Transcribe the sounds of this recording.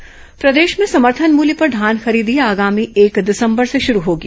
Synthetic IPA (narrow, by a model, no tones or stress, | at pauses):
pɾɐd̪eːʃmẽsɐməɾt̪ʰənmuːlipɐɾɖ̪ʱaːnxɐɾiːd̪ijaaːɡaːmieːkd̪ɪsə̃mbəɾseʃʊɾuɦoːɡi